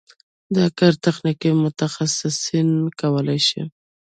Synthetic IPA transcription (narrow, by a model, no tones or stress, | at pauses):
d̪əakaɾt̪axnikimʊt̪axasɪsinkawəlajʃḭ